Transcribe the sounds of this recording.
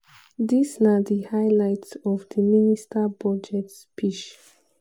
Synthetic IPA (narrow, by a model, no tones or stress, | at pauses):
disnadihaɪlaɪtsɔvdiministʰabɔd͡ʒɛtspʰiʃ